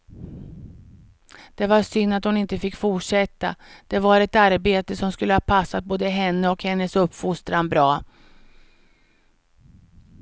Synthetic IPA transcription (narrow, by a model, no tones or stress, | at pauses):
d̪̥ɛvaɾʂʏnːat̪hʊnɪnt̪əfɪkːfuʈʂɛt̪ːa̰d̪̥ɛvaɾɛt̪aɾbeːt̪əsɔmskɵlːəhɑːpʰasːat̪̚boːd̪əɦɛnːəɔkhɛnːəsɵpːfʊst̪ɾanbɾɑː